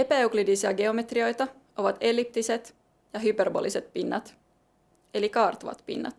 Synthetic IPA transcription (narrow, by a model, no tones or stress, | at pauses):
e̞pæeuklidisiæɡe̞o̞me̞t̪rio̞jt̪ɑ | ʔo̞ʋɑt̪e̞lip̚t̪ise̞t̪ | jɑɦyperbo̰lise̞t̪pinːɑ̰t̪ | e̞likɑːrt̪oʋɑ̰t̪pḭnːɑ̰t̪